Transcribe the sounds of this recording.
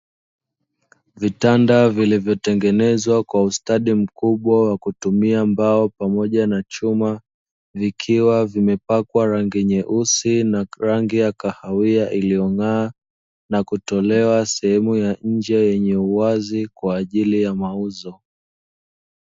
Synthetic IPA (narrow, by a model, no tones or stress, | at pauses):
vitandavilivjɔtɛŋɡɛnɛzwakwaustaɗim̩kuɓwawakutumiambaɔpamɔʄanat͡ʃuma | vikʰiwavimɛpakwaɾaŋɡiɲɛʔusinaɾaŋɡijakahawiaʔilijɔŋaː | nakutɔlɛwasɛhɛmujaɲ̩d͡ʒɛjɛɲɛuwazikwaːʄilijamauzɔ